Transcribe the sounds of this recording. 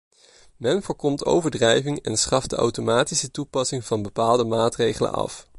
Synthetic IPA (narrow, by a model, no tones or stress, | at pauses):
mɛnvoːɹkɔmto̰wvəɹdrɛjvɪŋɛnsχɑfdəa̰wtomaːtisətupɑsɪŋv̥ɑnbəpaːlˠdəmaːtrejχələ̰nɑ̰f